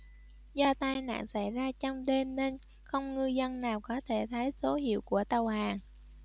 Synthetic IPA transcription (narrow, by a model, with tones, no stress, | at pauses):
zɔ˧t̪aː˧jna̰ː˧˨ŋsa˧˩jzaː˧t͡ɕɔ˧wŋ͡mɗe˧mne˧n | xə˧wŋ͡mŋɨ˧zə˧nːaː˨˩wkɔ˨˦t̪ʰe˧˩t̪ʰə˨˦jso˨˦hḭ˧˨əwku˧˩ət̪ə˨˩whaː˨˩ŋ